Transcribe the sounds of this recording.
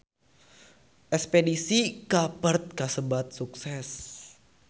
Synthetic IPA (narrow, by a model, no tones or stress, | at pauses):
ʔɛspedisikapərt̪̚kasəbat̪̚suksɛs